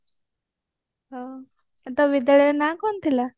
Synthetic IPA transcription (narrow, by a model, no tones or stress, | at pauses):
ɦa | at̪aʋid̪ɭenakont̪ila